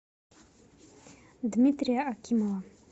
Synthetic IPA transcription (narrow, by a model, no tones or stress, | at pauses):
d̪mit̪ɾijaʔakʰʲimowa